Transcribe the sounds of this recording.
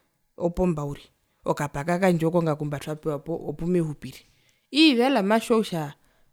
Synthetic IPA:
ɔpɔmbauɾi | ɔkapakakand͡ʒɔkɔŋɡakumbatʰwapɛwapɔʔɔpumɛɦupiɾi | iβalamaʃɔuʃa

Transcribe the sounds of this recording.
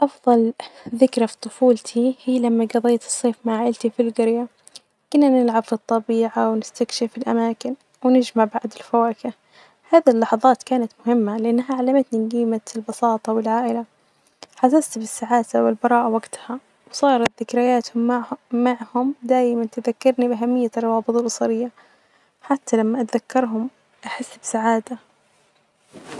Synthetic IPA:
ʔɑfðˤɑlðɪkɾafi̥t̪ˤʊfuːlt̪ʰihiːlamːaɡɑðˤeːt̪ɨ̥sˤːeːfmaʕaːʔɪlt̪ifilɡɪɾja | kɪnːanɪlʕabfit̪ˤːɑbiːʕawnɪst̪akʃɪfɪlʔa̰maːkɪn | wnɪd͡ʒmaʕbaʕd̪ɪlfawaːkɪ | haːðilːɑħɑðˤɑːt̪kaːnat̪mʊhɪmːalɪʔanːɦaʕalamat̪ninɡiːmat̪ɪlbɑsɑːt̪ˤɑwɪlʕaːʔɪla | ħasast̪bɪsːaʕaːd̪awɪlbɑɾˤɑːʔawaɡt̪ha | wsˤɑːɾˤɑt̪ðɪkɾajaːt̪hʊmːmaʕhʊmd̪aːjɪmant̪ɪðakːɑɾˤnibʔaɦamːɪjːarˤːɑwɑːbɨt̪ˤɑlʔɑsˤɑɾɪjːa | ħat̪ʰːalamːaʔat̪ðakːɑɾˤɦʊm | ʔaħɪsːbɪsaʕaːd̪a

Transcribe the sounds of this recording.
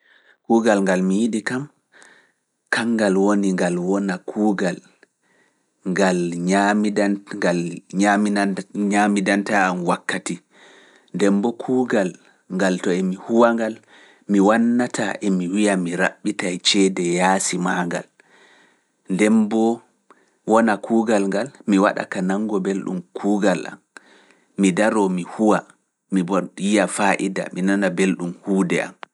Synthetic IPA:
kuːɡalŋɡalmijiɗikam | kaŋɡalwoniŋɡalwɔnakʰuːɡal | ŋɡalɲamidalɲamiɲamidantaːmwakːati | ndɛmbɔkʰuːɡal | ŋɡaltɔɛmihuwaŋɡal | miwanːatʰaʔɛmiwijamiɾa̰ɓːitajt͡ʃɛdɛjaːsimaŋɡa̰l | ndɛmbɔ | wɔnakʰuːɡalŋɡalmiwa̰ɗa̰kanaŋɡɔbelɗṵmkʰuːɡalʔa̰mː | idaɾɔmihuwa | mibɔwijafaʔida̰minanabelɗumhuːdɛa̰m

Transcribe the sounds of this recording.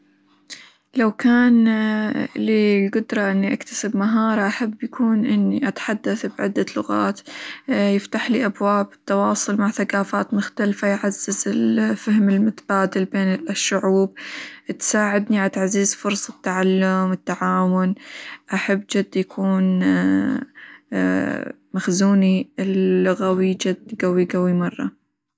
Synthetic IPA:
lawkaːn | lilɡʊd̪ɾˤɑʔɪnːiʔakt̪ḁsɪbmaɦɑːɾˤɑʔaħabːjakuːnʔɪnːiʔat̪ħad̪ːaθbʕɪ̰d̪ːalʊɣa̰ːt̪jɪft̪aħlḭːʔabwaːbɪt̪ːɑwɑːsˤʊlmaʕθakaːfaːt̪mʊxt̪alfajʕazːɪzɪlfahmɪlmʊt̪ab̥aːd̪ɪlbeːnɪʃːʊʕuːb̚t̪saːʕɪd̪niʕat̪ʕazizfʊɾsˤɪt̪ːaʕalːʊmɪt̪ːaʕaːwʊnʔaħabːd͡ʒʊd̪ːjakʰuːn | maxzuːniɪlːʊɣawid͡ʒʊd̪ːɡawiɡawimɑrˤːɑ̰

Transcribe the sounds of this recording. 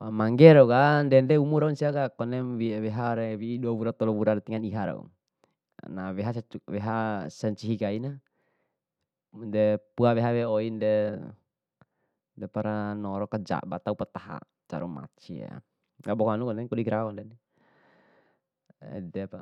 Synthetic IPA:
wamaŋɡɛɾɔɡandɛndɛumuɾaunsiakakɔnɛmwiwɛɦaɾɛwiːduaβuɾat̪ɔlɔβuɾaɾɛt̪iŋaniɦaɾa̰ṵ | nawɛɦaswɛɦasɛɲt͡ʃiɦikaina | ndɛpuawɛɦawɛoindɛ | dɛpaɾanɔɾɔkad͡ʒa̰ba̰t̪aupat̪aɦa̰ | t͡ʃa̰ɾuma̰t͡ʃia̰ | ɡabɔkɔanukɔnɛŋkɔdiɡɾawandɛni | ɛ̰dɛpa

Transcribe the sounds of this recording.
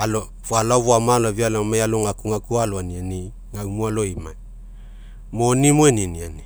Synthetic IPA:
alo | voalavoamalovialamajaloŋakuŋakualoaniani | ŋawmualoimaj | monimoeniniani

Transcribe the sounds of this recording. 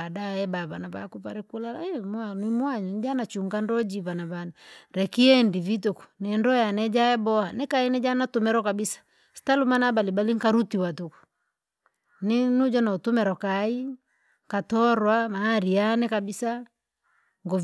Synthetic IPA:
adaɛbaβanaβa̰kupa̰ɾɛkulala̰ɛmanwimwaɲɔɲd͡ʒanat͡ʃuŋɡandɔd͡ʒiβanaβanaɾɛkiɛndivituku̥nɛndɔjanɛd͡ʒaɛbɔhanɛkainɛd͡ʒanatumɛɾɔkabisḁ | si̥talumanabalibaliŋkaɾutiwatuku̥ | ninud͡ʒanautumɛɾɔkai | ŋkatɔɾwamaːɾianɛkabisa | ŋɡɔ

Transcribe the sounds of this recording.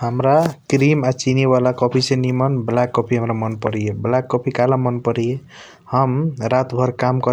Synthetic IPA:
həmɾakɾimat͡ʃinibalakɔpʰisẽnimənblakːɔpʰiɦəmɾamʌnpʌɾijeblakːɔpʰikalamʌnpəɾije | həmɾat̪bʱʌɾkamkʌ

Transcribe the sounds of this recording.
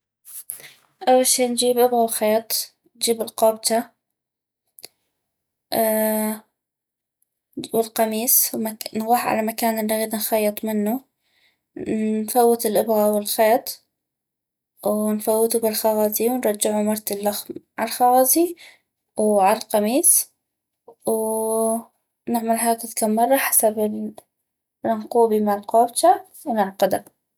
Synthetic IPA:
ʔawːalʃiːnd͡ʒiːbʔɪbɣawxeːt̪ˤ | nd͡ʒiːbɪlqɑːb̚t̪a | wɪlqɑmiːswmanɣɑːħʕa̰lamakaːnɪnːaɣiːd̪nxɑjːɨt̪ˤmɪnːu | nfawːɪt̪ɪlʔɪbɣawɪlxeːt̪ˤ | wnfawːɪt̪ubɪlxɑwɑːziwnɾˤɑd͡ʒːɪʕumɑɾˤt̪alːaxmʕalxɑwɑːzi | wʕalalqɑmiːs | w | nɪʕmalɦaːkɪðkaːmːɑrˤːɑħḁsabɪ | rɪŋquːbimaʕlqoːbt͡ʃa | wnɪʕqɑd̪a

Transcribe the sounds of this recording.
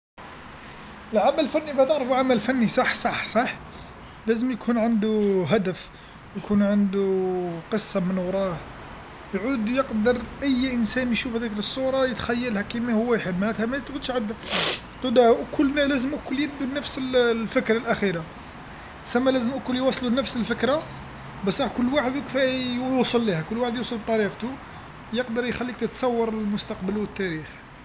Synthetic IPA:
əlʕamælːfænːibææt̪əʕɾəfuʕamælfænːisˤɑħsˤɑħsˤɑħ | læzəmjkʰunʕənd̪uɦæd̪əf | jkʰunʕənd̪uqəsˤːɑmənwɾˤɑh | jʕud̪jəqd̪əɾˤʔæjːʔənsænjʃufhæd̪ækləsˤːuɾˤɑjət̪xæjːəlhækimæhʊwːæjħəlmæt̪hæmæt̪ʕʊd̪ʃʕad̪ːæ | t̪ˤud̪ækʰʊlːnælæzəmʔækʊljəd̪unːəfsəlfəkɾɑlʔæxiɾa | sæmːælæzəmʔækʊljwɑsˤlunəfsəlfəkɾa | bæsˤɾˤɑħkʊlːwaħəd̪ukfæjusˤəlːihækʊlːwaħəd̪jusˤəlb̚t̪ˤːɑɾiqt̪u | jəqd̪əɾˤjxælːik̚t̪ət̪sˤɑwːɑɾˤəlmʊst̪ɑqbəlwət̪ːæɾix

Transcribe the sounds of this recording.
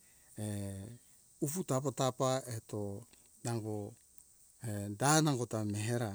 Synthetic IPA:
e | uputap̬atapaeto | naŋɡo | edanaŋɡotameɦeɾa

